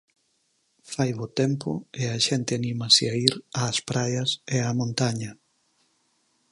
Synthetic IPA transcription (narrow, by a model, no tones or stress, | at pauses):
fajβot̪ɛmpo̰eaʃɛnt̪ɪanĩmɐseaiɾaːspɾajɐseamõnt̪aɲɐ